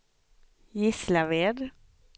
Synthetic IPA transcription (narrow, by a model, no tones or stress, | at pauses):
jɪslaveːd̪